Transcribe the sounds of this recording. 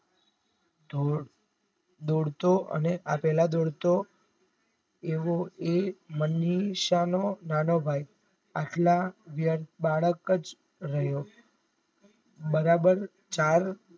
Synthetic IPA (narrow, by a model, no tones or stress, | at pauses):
o | d̪oɽt̪oʔə̰neʔapɛlad̪oɽt̪o | eʋoeməniʃanonanobʱaj | aʈlaʋjəɾt̪baɭəkət͡ʃ | ɾəɦjo | bəɾabəɾ | t͡ʃaɾ